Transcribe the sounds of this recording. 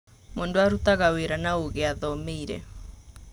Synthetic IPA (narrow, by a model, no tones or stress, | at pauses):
mondoaɾutaɣaweɾanaoɣeaðɔmeiɾɛ̰